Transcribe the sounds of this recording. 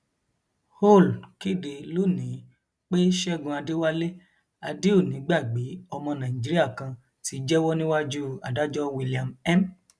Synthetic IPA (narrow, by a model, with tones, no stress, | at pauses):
ho˦˨lki˦de˨lo˦˨nĩ˨˦ | k͡pe˦ʃɛ˦ɡũ˧a˧de˦wa˦le˦ | a˧de˦o˦˨nĩ˨˦ɡ͡ba˦˨ɡ͡be˨˦ɔ˧mɔ̃˧nã˨i˨d͡ʒi˨˦ɾi˦a˦˨kã˧ | ti˨˧˦d͡ʒɛ˦wɔ˦nĩ˦wa˦d͡ʒu˦a˨da˨˦d͡ʒɔ˦wi˧li˨a˨mɛ˦m